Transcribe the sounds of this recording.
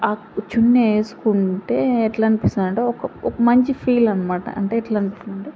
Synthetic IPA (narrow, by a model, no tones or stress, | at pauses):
aː | t͡ʃunːeːsu̥kuɳʈe̞ːeʈlanipist̪unɐɳʈeːɔkɐɔkɐmɐɲt͡ʃipʰiːlɐnːɐmaːʈɐ̰ɐ̰ɳʈe̞ːɛʈlaɐnpist̪unɐɳʈe